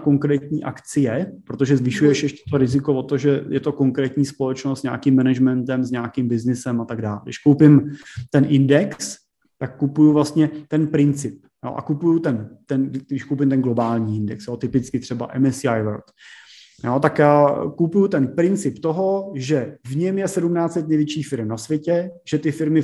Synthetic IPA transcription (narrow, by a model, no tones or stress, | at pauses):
ko̞ŋkɾɛːt̪ɲiːʔa̰kt͡sɪjɛppɾot̪o̞ʒɛzvɪʃujɛʃjɛʃcɛ̥t̪oɾɪzɪko̞vo̞t̪oʒɛjɛt̪o̞ko̞ŋkɾɛːt̪ɲiːspo̞lɛt͡ʃnost̪zɲa̰ːkɪmːɛnɛʒmɛnt̪ɛmzɲaːkɪmbɪznɪsɛmat̪aɡdaːlɡdɪ̰ʃkowpɪmt̪ɛnʔɪndɛks | t̪akːupujuvlast̪ɲɛt̪ɛnpɾɪnt͡sɪp̚jo̰ːʔa̰kupujut̪ɛnt̪ɛnɡdɪʃkowpɪmt̪ɛnɡlo̞baːlɲiːɪndɛksjo̞ːt̪ɪpɪt͡skɪt̪r̝̥ɛba̰ʔɛmɛsajvɛɾt̪ | jo̞ːt̪akjaːkupujut̪ɛnpɾɪnt͡sɪpt̪oɦo̞ʒɛvɲɛmjɛsɛdumnaːt͡sɛt̪nɛjvjɛt͡ʃiːxfɪɾɛmnasvjɛcɛʒ̥ɛt̪ɪfɪɾmɪ